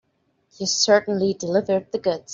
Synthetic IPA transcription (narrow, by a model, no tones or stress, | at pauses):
hi̥sɜ˞ʔn̩lidɨlɪvə˞d̪̚ðɨɡʊdz̥